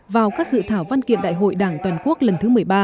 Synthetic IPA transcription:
vaː˨˩wkaː˦˥k̚zɨ̰˧˨t̪ʰaː˧˩wva˧nkḭ˧ənɗa̰ː˧˨jɦo̰˧˨jɗaː˧˩ŋt̪waː˨˩nku˦˥ək̚lə˨˩nt̪ʰɨ˨˦mɨ˨˩əjɓaː˧

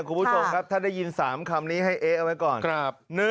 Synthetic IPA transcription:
kʰu˧nbʰu˥˩t͡ɕʰo˧mkʰa˦˥p̚t̪ʰaː˥˩da˥˩ji˧nsaː˩˦mkʰa˧mniː˦˥ɦa˥˩jʔeː˦˥ʔa˧wa˦˥jkɔː˨˩nkɾa˦˧p̚nɯ˦

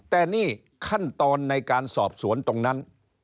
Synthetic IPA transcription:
t̪ɛː˨˩niː˥˩ | kʰa˥˩nt̪ɔː˧nːa˧jkaː˧nsɔ̰ː˨˩p̚su˩˦ənt̪o˧ŋna˦˥n

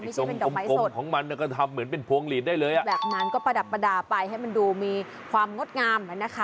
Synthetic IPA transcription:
m˩a˥˩˥o˧˩pe˧ndɔː˨˧mma˦˥jkso˨˩t̪kʰɔː˩˦ŋma˧nːi˧˩kɔ˥˩t̪ʰa˧mːɯ˩˦ənpe˧npʰuː˧əŋliː˨˩t̪̚daː˥˩jlɤː˧jʔa˨˩bɛː˨˩p̚na˦˥nkɔː˥˩pa˧da˨˩t̪̚pːa˧daː˧pa˧jha˥˩jma˧nduː˧miː˧ | kʰwaː˧mŋo˦˥t̪̚ŋaː˧ma˨˩na˦˥kʰa˦˥˩

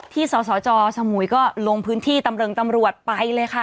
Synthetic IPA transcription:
t̪ʰiː˥˩sɔː˩˦sɔː˩˦t͡ɕɔː˧sa˧mu˩˦jkɔː˥˩lo˧ŋpʰɯː˦˥nt̪ʰiː˥˩t̪a˧mɾɤː˧ŋt̪a˧mɾu˨˩ət̪̚pa˧jlɤː˧jkʰa˥˩

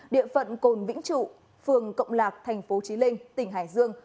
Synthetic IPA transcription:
ɗḭ˧˨əfə̰˧˨nko˨˩nvḭ˧˥ŋ̟t͡ɕṵ˧˨ | fɨ˨˩əŋkə̰˧˨wŋ͡mlaː˨˩k̚t̪ʰɛ˨˩jŋ̟fo˨˦t͡ɕi˨˦mï˧ŋ̟t̪ï˧˩ŋ̟ɦaː˧˩jzɨ˧əŋ

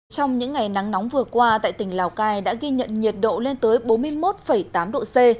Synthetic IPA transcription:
t͡ɕɔ˧wŋ͡mɲɨ̰˧˥ŋːa˨˩jna˨˦ŋnɔ˨˦wŋ͡mvɨ˨˩əkwaː˧t̪a̰ː˧˨jt̪ï˧˩ŋ̟laː˨˩wkaː˧jɗa̰ː˧˥ɣi˧ɲə̰˧˨nɲi˨˩ət̚ɗo̰˧˨le˧nt̪əː˨˦jɓo˨˦nmɨ˧əjmo˦˥t̚fə˧˩jt̪aː˨˦mɗo̰˧˨se˧

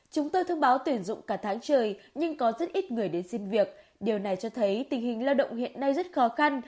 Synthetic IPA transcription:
t͡ɕʊ˨˦ŋ͡mt̪o˧jt̪ʰə˧wŋ͡mɓaː˨˦wt̪wi˧˩ənzʊ̰˧˨ŋ͡mkaː˧˩t̪ʰaː˨˦ŋt͡ɕəː˨˩jɲɨ˧ŋkɔ˨˦zə˦˥t̚ʔi˦˥t̚ŋɨ˨˩əjɗe˨˦nsi˧mvi˨˩ək̚ | ɗi˨˩əwna˨˩jt͡ɕɔ˧t̪ʰə˨˦jt̪ï˨˩ŋ̟ɦï˨˩ŋ̟laː˧wɗə̰˧˨wŋ͡mhḭ˧˨ənːa˧jzə˦˥t̚xɔ˨˦xa˧n

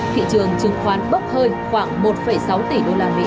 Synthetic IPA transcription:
t̪ʰḭ˧˨t͡ɕɨ˨˩əŋt͡ɕɨ˨˧˩ŋxwaː˨˦nɓə˦˥p̚həː˧nxwaː˧˩ŋmo˨˩t̚fə˧˩jsa˨˦wt̪i˧˩ɗo˧laː˧mḭ˧˥

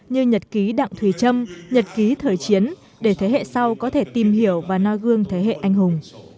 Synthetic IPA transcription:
ɲɨ˧ɲə˨˩t̚ki˨˦ɗa̰˧˨ŋt̪ʰwi˧˩t͡ɕə˧mɲə˨˩t̚ki˨˦t̪ʰəː˨˩jt͡ɕi˨˦ən | ɗe˧˩t̪ʰe˨˦ɦḛ˧˨sa˧wkɔ˨˦t̪ʰe˧˩t̪i˨˩mɦi˧˩əwvaː˨˩nɔ˧jɣɨ˧əŋt̪ʰe˨˦ɦḛ˧˨ʔa˧jŋ̟hʊ˨˩ŋ͡m

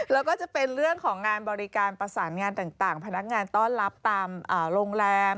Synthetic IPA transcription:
lɛː˦˥wkɔː˥˩t͡ɕa˨˩pe˧nɾɯ˥˩əŋkʰɔː˩˦ŋːaː˧nbɔː˧ɾi˦˥kaː˧npɾa˧saː˩˦nŋaː˧nt̪aː˨˩ŋt̪aː˨˩ŋpʰa˧na˦˥k̚ŋaː˧nt̪ɔː˥˩nɾa˦˥p̚t̪aː˧mʔaː˨˩ɾoː˧ŋɾɛː˧m

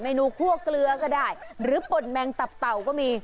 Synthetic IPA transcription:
ma˥˩jnuː˦˥˩kʰu˥˩əklɯ˧ɐkɔː˥˩daː˥˩jɾɯː˨˦po˨˩t̪̚mɛː˧ŋt̪a˨˩p̚t̪a˨˩wkɔː˥˩miː˧

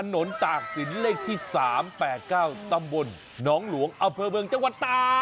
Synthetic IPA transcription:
a˧no˩˦nt̪aː˨˩k̚si˩˦nleː˥˩k̚t̪ʰiː˥˩saː˩˦mpɛː˨˩t̪̚kaː˥˩wt̪a˧mbo˧nː | ɔː˦˥ŋlu˩˦əŋʔa˧mpʰɤː˧mɯ˧əŋt͡ɕa˥˧ŋwa˨˩t̪ːaː˧

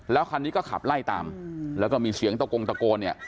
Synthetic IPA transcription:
lɛː˦˥wkʰaː˧nːiː˦˥kɔː˥˩kʰa̰˨˩p̚la˥˩jt̪a̰ː˧mlɛː˦˥wkɔː˥˩miː˧si˩˦əŋt̪a˧ko˧ŋt̪a˧koː˧nːi˥˩ə

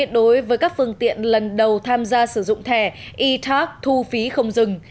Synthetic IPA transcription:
ət̚ɗo˨˦jvəː˨˦jkaː˦˥k̚fɨ˧əŋt̪ḭ˧˨ənlə˨˩nɗə˨˩wt̪ʰaː˧mzaː˧sɨ˧˩zʊ̰˧˨ŋ͡mt̪ʰɛ˧˩ | ʔi˧t̪ʰa˦˥k̚t̪ʰu˧fi˨˦xə˧wŋ͡mzɨ˨˩ŋ

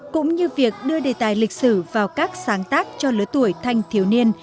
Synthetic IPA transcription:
kʊ̰˧˥ŋ͡mɲɨ˧vi˨˩ək̚ɗɨ˧əɗe˨˩t̪aː˨˩jlï˨˩k̚sɨ˧˩vaː˨˩wkaː˦˥k̚saː˨˦ŋt̪aː˦˥k̚t͡ɕɔ˧lɨ˨˦t̪u˧˩əjt̪ʰa˧jŋ̟t̪ʰi˨˩əwni˧ən

